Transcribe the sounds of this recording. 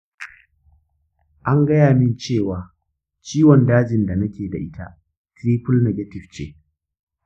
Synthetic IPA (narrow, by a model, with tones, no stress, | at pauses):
ʔa˦ŋɡɐ˦jaː˨mɪ˦nt͡ʃeː˦˨waː˨ | t͡ʃiː˦wɔ˨ndaː˦d͡ʒɪ˨nda˨nɐ˦kʲeː˨da̰˨ʔɪ˦ta̰˦ʔ | tɾiː˦pʊ˦lnɛ˨ɡɐ˦tɪ˨ft͡ʃḛː˦